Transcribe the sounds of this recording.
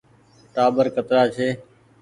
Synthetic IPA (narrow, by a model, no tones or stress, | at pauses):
ʈaːbəɾkət̪ɾaːt͡ʃʰeː